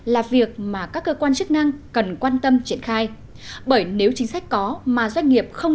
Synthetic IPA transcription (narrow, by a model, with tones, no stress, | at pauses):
laː˨˩vi˨˩ək̚maː˨˩kaː˦˥kːəː˧kwaː˧nt͡ɕɨ˦˥k̚na˧ŋkə˨˩nkwaː˧nt̪ə˧mt͡ɕi˧˩ənxaː˧j | ɓəː˧˩jne˨˦wt͡ɕï˨˦ŋ̟sa˦˥jk̟̚kɔ˨˦maː˨˩zwa˧jŋ̟ŋi˨˩əp̚xə˧w